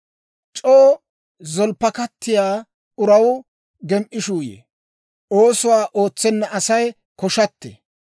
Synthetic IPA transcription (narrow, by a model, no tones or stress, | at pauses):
t͡ʃʼoː | zɔlpːɐkɐt̪ːɪjaː | ʔʊɾɐw | ɡɛmʔɪʃuːjḛː | ʔoːsʊwaːʔo̞ːt͡sːɛnːɐʔɐsɐj | kɔʃɐt̪ːɛ̰